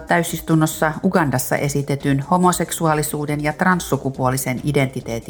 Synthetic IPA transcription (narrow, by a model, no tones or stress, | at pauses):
tt̪æysist̪unːosːɑuɡɑndɑsːɑ̰ʔe̞sit̪et̪ynho̞mose̞ksuɑlisuːdenjɑt̪rɑnsːukupuolisenide̞nt̪it̪eːt̪i